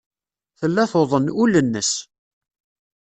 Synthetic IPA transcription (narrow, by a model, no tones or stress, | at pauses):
θəlːæθoðˤənulənːəs